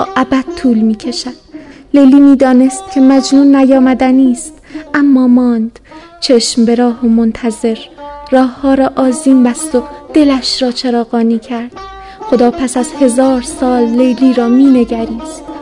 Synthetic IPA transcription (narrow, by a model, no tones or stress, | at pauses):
ʔæbæd̪̥̚t̪ʰuːlmiːcʰe̞ʃæd̪̥lejliːmiːd̪ɒːne̞st̪̚cʲʰe̞mæd͡ʒnuːnːæjɒːmæd̪æniːst̪ʔæmːɒːmɒːnd̪̥ | t͡ʃʰe̞ʃmbe̞ɾɒːhomont̪ʰæze̞ɾrɒːhːɒːɾɒːʔɒːziːmbæst̪o̞d̪̥e̞læʃɾɒːt͡ʃʰe̞ɾɒːɣɒːniːcʰæɾd̪̥̚ | xo̞d̪ɒːpʰæsæzhe̞zɒːɾsɒːlːejliːɾɒːmiːne̞ɟæɾiːzt̪